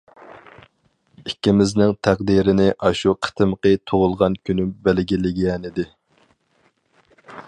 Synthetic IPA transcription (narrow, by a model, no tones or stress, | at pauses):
ikʲːimɪznɪŋt̪ʰæqd̪iɾɪnɪʔɑʃuqʰə̥t̪ʰɨmqət̪ʰoʁʊlˠʁɑnkʲʰynymbælɡʲilɪɡʲɛnɪd̪ɪ